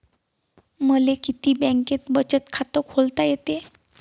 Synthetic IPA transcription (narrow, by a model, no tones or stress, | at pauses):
məlekit̪iːbɛ̃ŋket̪bət͡ɕət̪kʰat̪əkholt̪ajet̪e